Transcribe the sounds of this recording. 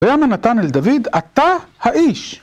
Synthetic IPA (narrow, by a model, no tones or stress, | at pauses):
jamanat̪aneld̪avid̪at̪ahaʔiːʃ